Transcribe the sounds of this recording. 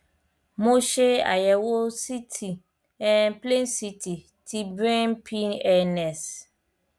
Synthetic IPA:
mõ˦ʃe˦a̰˨jɛ˨wo˦si˦tʰi˨ | ɛ˨nple˦nsi˦tʰi˨ | tʰi˦bɾɛ̃˦npʰĩ˦nɛ˦nɛ̃˨s

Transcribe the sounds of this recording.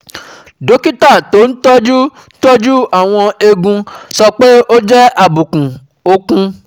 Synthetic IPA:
do˨˦ki˦ta˦˨to˨˦n̩˦tɔ˦d͡ʒu˦ | tɔ˦d͡ʒu˦a˦˨w̃ɔ̃˧e˧ɡũ˧sɔ˧k͡pe˦ʔo˦d͡ʒɛ˦a˦˨bu˨kũ˨ | o˧kũ˦

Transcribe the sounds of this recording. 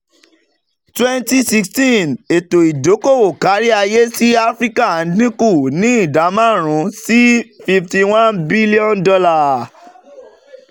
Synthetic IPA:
twɛ˦nti˦si˧kstĩ˦ne˨to˨i˨do˨˦ko˦˨o˨ka˨˦ɾi˦a˧je˦si˦a˦fɾi˦ka˦˨˦dnĩ˦ku˦˨nĩ˨˦i˦˨da˨˦mã˦˨ɾ̃ũ˨˦si˦fi˧fti˧w̃ã˦nbi˦li˦ɔ̃˦ndɔ˧la˦˨

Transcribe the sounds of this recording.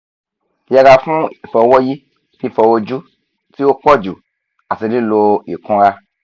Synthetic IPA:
ja˧ɡa˧fũ˦i˨fɛ˨˧wɔ˦ji˦ | fi˧˦fɛ˧wo˦d͡ʒu˦ | ti˦wo˦kɔ˦d͡ʒu˨ | a˨si˧di˦lo˧i˨kɔ̃˧ɾa˦

